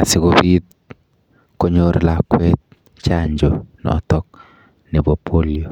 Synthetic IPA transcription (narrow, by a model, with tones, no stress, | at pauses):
a˨sɪ˨ɡobit̚ | ko˦ɲoɾlakwɛt̪̚ | t͡ʃaɲd͡ʒɔ˨nɔ̰˨ɔ̰˨tɔ˦k̚ | nɛ˨bo˨pʰo˦lio˨